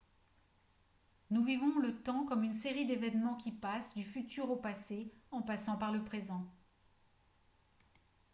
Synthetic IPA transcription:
nuvivɔ̃lət̪ɑ̃kɔmynseʁid̪evɛnmɑ̃kʲipasd̪yfyt̪yʁopaseɑ̃pasɑ̃paʁləpχezɑ̃

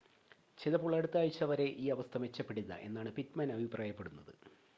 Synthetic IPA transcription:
t͡ɕejðɐpːoːɭɐɽut̪ːaːjit͡ɕːɐʋɐɾe̞ʔiːɐʋɐst̪ʰɐmʋe̞t͡ɕːɐpːe̞ɽulːɐ̰ʔe̞̰nːaːɳɨpitmɐnɐbʱipraːjɐpːe̞ɽunːɐðɨ

